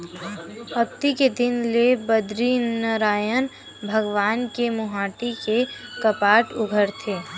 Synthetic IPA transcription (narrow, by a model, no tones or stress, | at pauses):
əkt̪iked̪ɪnlebəd̪ɾinəɾaːjən | bʱəɡʋaːnkemʊɦaːʈikekəpaːʈʊɡʱəɾt̪ʰeː